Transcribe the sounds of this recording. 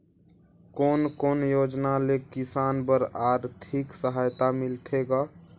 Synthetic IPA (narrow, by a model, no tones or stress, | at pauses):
koːnkoːnjod͡ʒnalekisaːnbəɾaɾt̪ʰiksəɦajt̪amɪlt̪ʰeɡa